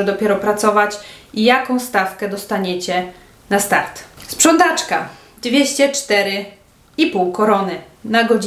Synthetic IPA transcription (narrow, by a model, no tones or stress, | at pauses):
ɛd̪ɔpʲjɛɾɔpɾat̪sɔvat͡ɕijakɔ̃w̃st̪afkɛd̪ɔst̪aɲet͡ɕɛ | nast̪aɾt̪spʂɔnt̪at͡ʂka | d̪vʲjeɕt͡ɕɛt͡ʂt̪ɛɾɘ | ipuwkɔɾɔnɘnaɡɔd͡ʑ